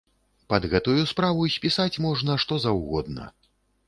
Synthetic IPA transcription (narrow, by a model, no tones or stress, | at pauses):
pɐd̪ɣɛt̪ujuspɾavujsʲpʲisat͡sʲmɔʐnɐʂt̪ɔzɐwɣɔd̪̚nɐ̰